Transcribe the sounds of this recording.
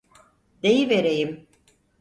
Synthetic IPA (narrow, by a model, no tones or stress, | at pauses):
d̪ejiveɾejim